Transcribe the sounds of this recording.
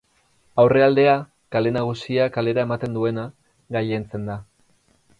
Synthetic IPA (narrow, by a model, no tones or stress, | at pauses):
awre̞ald̪e̞a | kale̞naɣ̞usiakale̞ɾae̞mat̪e̞nd̪ue̞na | ɣajent͡se̞nd̪a